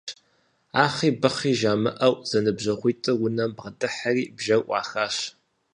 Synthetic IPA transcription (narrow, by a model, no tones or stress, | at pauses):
aːχiːbɨχiːʒaːmɨʔɐwz̥ɐnɨbʑɐʁʷiːtʼɨwʊnɐmbʁɐdʼɨħariːbʒɐwʔʷɑ̰ːxaːɕ